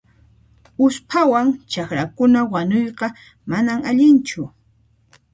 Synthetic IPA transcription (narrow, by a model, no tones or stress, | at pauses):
ʊspʰawaŋt͡ʃakɾakʊnawaɲojqɑ | manamaʎɪnt͡ʃʊ